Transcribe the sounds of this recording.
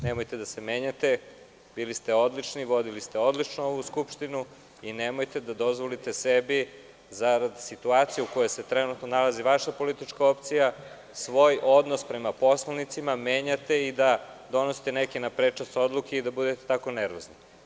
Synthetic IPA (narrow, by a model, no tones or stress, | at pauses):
nemojt̪e̞d̪ase̞meːɲat̪e̞ | bilist̪eo̞d̪lit͡ʃniʋo̞d̪ilist̪eo̞d̪lit͡ʃnoo̞ʋuskupʃt̪inu | inemo̞jt̪e̞d̪ad̪o̞zʋo̞lit̪e̞sebi | zaɾad̪sit̪uaːt̪sijuuko̞jese̞t̪ɾenut̪nonalaziʋaʃapo̞lit̪it͡ʃkao̞pt̪sija | sʋo̞jo̞d̪no̞spɾe̞mapo̞slˠanit̪simame̞ːɲat̪e̞id̪a | d̪o̞nosi̥t̪enekenapɾet͡ʂast̪o̞d̪lˠukeid̪abud̪et̪et̪ako̞neɾʋozni